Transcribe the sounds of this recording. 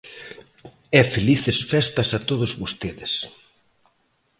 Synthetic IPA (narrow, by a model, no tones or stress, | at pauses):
ɛfeliθesfɛst̪ɐsat̪oðʊzβost̪eðɪs